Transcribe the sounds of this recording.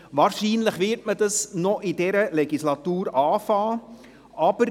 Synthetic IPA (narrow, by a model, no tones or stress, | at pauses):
ʋɑːɾʃiːnləχʋɪɾtmədɑsnɔʔidɛɾəlɛɡislɑt̪uːɾɑːfɑː | ʔɑb̥əɾ